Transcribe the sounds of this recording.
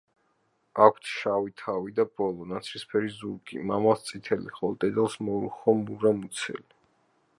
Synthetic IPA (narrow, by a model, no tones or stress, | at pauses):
akʷʰt̪ʰʃawit̪ʰawid̪abɔlˠɔnat̪sʰɾispʰɛɾizuɾɡʼḭmamast̪sʼit̪ʰɛlḭχɔt̪ʼɛd̪ɛlˠsmɔɾuχɔmuɾamut̪sʰɛ̰li